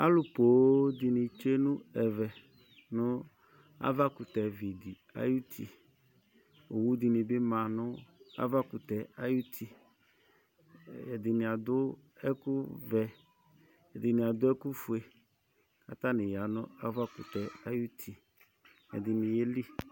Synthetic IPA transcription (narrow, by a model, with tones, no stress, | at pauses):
a̰˦lʊ˨po˨˦dɪ˨nɪ˨t͡ʃe˦nʊ̃˦ɛ˨vɛ˨ | nʊ˦ | a̰˦va˦kʊ˨tɛ˨vi˨di˨a̰˦ju˦tʰi˨ | o˨wu˦dɪ˨nɪ˨bɪ˦mã˨nʊ˦a̰˦va˦kʊ˨tɛ˨a˦ju˦tʰi˨ | ɛ˨dɪ˨nɪ̃˨a˨dʊ˦ | ɛ˦kʊ˦vɛ˨ | ɛ˨dɪ˨nɪ̃˨a˨dʊ˦ɛ˦kʊ˦fʊ˨e˨ | a̰˨ta˦nɪ̃˨ja˨nʊ̃˦a˦va˦kʊ̰˨tɛ˨a˦ju˦tʰi˨ | ɛ̰˨dɪ˨nɪ˨je˦li˦